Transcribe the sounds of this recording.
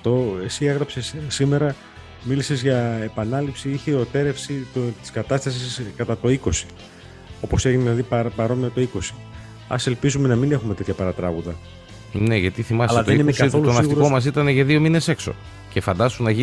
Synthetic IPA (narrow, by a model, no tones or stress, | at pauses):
ft̪o̞e̞sieɣɾɐpsessime̞ɾɐ | milise̞zʝɐepɐnɐlipsiiçeot̪e̞ɾefsit̪ot̪i̥skɐt̪ɐst̪ɐsiskɐt̪ɐt̪o̞iko̞si̥ | o̞po̞se̞ʝineðilɐðipɾpɐɾo̞nmiɐt̪o̞iko̞si̥ | ɐ̰se̞lpizume̞nɐmine̞xume̞t̪e̞t̪çɐpɐɾɐt̪ɾɐɣuðɐ | ne̞ʝɐt̪iθimɐsleɐðoenimekɐt̪lonɐtɣuɾkomɐs̬it̪ɐneʝɐðio̞mine̞sekso̞̰ | ce̞fɐnd̪ɐst̪unːɐʝi